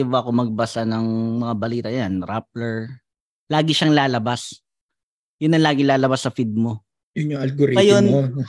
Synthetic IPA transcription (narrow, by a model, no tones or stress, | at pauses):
iboɐko̞mɐɡ̚bɐsanɐŋmɐŋabɐliːt̪ɐjanɾap̚lɛɹ | laːɡɪʃaŋlaːlɐbas | jʊnːɐnlaːɡɪŋlaːlɐbasːɐfid̪̚mo̞ | jʊnʊŋɐlɡoɾiɐjono